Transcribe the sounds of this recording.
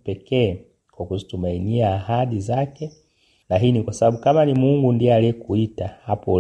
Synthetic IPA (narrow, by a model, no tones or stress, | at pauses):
pɛkɛː | kwakuzitumainiaːhaɗizakɛ | naɦinikwasabaɓukamanimuŋɡundiɛalɛkuitahapɔ